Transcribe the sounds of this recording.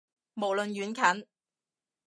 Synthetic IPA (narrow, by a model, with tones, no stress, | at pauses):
mo˨˩wlɵ˨nɥyː˨˥nkʰɐ˨˥n